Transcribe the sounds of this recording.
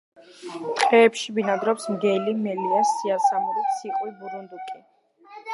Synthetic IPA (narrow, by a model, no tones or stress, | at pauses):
t̪qʼɛːpʃibinad̪ɾɔpsmɡɛlimɛliasːiasamuɾit̪siqʼwibuɾund̪ukʼi